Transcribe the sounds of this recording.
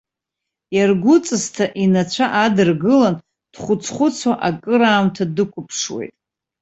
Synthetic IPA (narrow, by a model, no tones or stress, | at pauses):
jarɡʷʊt͡sʼɨstʰaʔinat͡ɕʷʰaʔadɨrɡɨlan | d̥χʷʊt͡sʰχʷʊt͡sʰwaʔakʼɨɾaːmtʰadɨkʷʰʼʊpʰʂwḛjtʼ